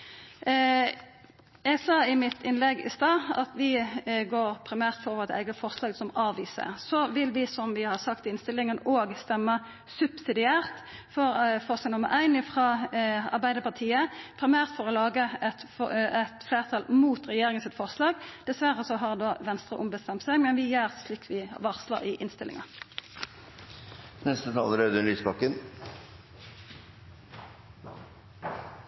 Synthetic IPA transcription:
jɛɡsɑːɪmɪt̪ʰɪnlɛɡɪ̰st̪ɑːɑ̰t̪ʋɪɡoːʁpʰɾɪmæːʁt̪fɔɾoːʋʁɛt̪æ̰ɪɡəfɔʁslɑːɡsɔmɑːʋiːsə̰ʁsɔʋɪlʋɪsɔmʋɪhɑʁsɑkt̪ɪnst̪ɪlɪŋənoːɡst̪ɛmːə | sʉbsɪd̪ɪæːʁt̪fɔʁfɔʁslɑɡnʊmə̰ɾʔæɪnɪfʁɑːɑ̰ʁbæɪd̪əpɑʁt̪ʰiːəpʰɾɪmæːʁt̪fɔʁɔlɑːɡəɛt̪ɛt̪fleːʁt̪ʰɑːlmuːt̪ɾɛjeːʁɪŋənsɪt̪fɔʁslɑːɡd̪̥ɛsʋæʁəsɔɦɑʁd̪oːʋɛnst̪ʁəʔʊmbəst̪ɛmt̪sæɪɡmɛnʋɪjœːʁsliːkːʋɪʋɑʁslə̰ʁɪʔɪnst̪ɪlɪ̰ŋɑ | nɛst̪ət̪ʰɑːləɾød̪ʉnlyːspɑkːən

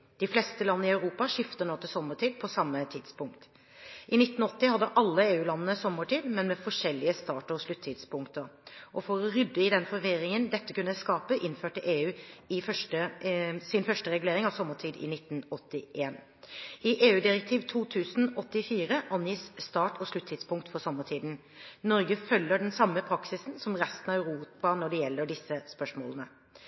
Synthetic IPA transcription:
d̪̥ɪflɛst̪əlɑnːəɪɑʉɾuːpɑʂɪft̪ənɔt̪əsɔmːəʈʰiːd̪̚pʰɔsɑmːət̪ʰɪd̪spʊŋk̚t̪ | ʔɪnɪt̪ːn̩ɔt̪ːɪhɑd̪ːəʔɑlːəeːʉːlɑnːənəsɔmːəʈiːd̪mɛnmɛfɔʂɛlːɪəst̪ɑːʈəɾɔʂlʉt̪ʰːɪd̪spʊŋkt̪əɾʔɔfɔɾɔɾʏd̪ːəɪd̪ɛnfɔɾʋɪɾɪŋənd̪ɛt̪ːəkʉnəskɑːpəʔɪnføːʈəʔeːʉːɪfœʈəsɪnfœʂʈəɾɛɡʉleːɾɪŋɑʋsɔmːəʈʰiːd̪ɪ̰nɪt̪ːn̩ɔt̪ːɪʔeːn | ɪʔeːʉːd̪ɪɾɛk̚t̪ʰiːʋt̪ʰuːt̪ʰʉːsn̩ɔt̪ːɪfiːɾəʔɑnjiːsst̪ɑːʈɔʂɭʉt̪ʰːɪːd̪spʊŋkt̪fɔɾsɔmːəʈʰiːd̪n | nɔɾɡəfœlːəɖɛnsɑmːəpʰɾɑksɪsnsɔmɾɛst̪ənɑæʉɾuːpɑnɔɖɛjɛlːəɖɪsːəspœʂmoːlənə

